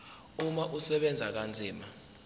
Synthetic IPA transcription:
umaʔusɛɓɛnd͡zʱak̬and͡zʱiːma

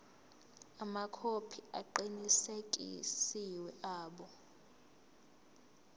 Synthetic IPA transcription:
amakʰopʰia̰ǃinisekʼḭsiwɛʔaːɓɔ

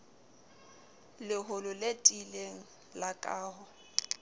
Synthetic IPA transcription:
lɪɦʊlʊletʼileŋ̩ | lakʼaːɦʊ

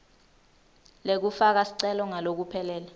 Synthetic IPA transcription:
lek̬ufak̬asi̥ǀɛlɔŋalok̬upʰɛlɛːla

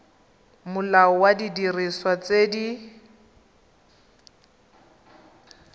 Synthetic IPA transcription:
mʊlaɔwadidiriswat͡sedi

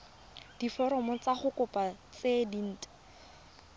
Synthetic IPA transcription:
d̥ifɔɾɔmɔt͡saχʊkʊpat͡sedin̩ːtḁ

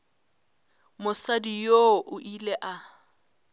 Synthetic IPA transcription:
mʊsadijoʔʊʔileʔa

